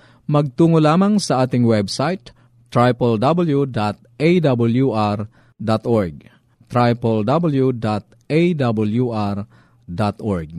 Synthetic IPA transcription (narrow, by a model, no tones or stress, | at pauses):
mɐɡ̚t̪uːŋolaːmaŋsɐʔaːt̪ɪŋwɛbsajt̪ː | ɾajpɐld̪abɐljud̪at̪̚ʔejd̪abʊljuʔaɾ | d̪at̪oɹɡ̚ | t̪ɾajpɐld̪abɐljud̪at̪̚ | ʔejd̪abɐljuʔaɾ | d̪at̪ʔɔɹɡ̚